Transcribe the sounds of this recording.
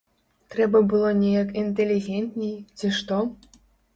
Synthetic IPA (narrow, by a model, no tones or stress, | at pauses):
t̪ɾɛbɐbɨlˠɔnʲejakint̪elʲːiɣʲenʲt̪ʲnʲejt͡sʲiʂt̪ɔ